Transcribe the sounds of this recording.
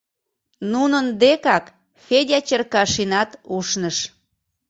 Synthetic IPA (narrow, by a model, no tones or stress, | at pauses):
nunənd̪ekɑk | fedʲɑt͡ɕərkɑʃinɑt̪uʃnəʃ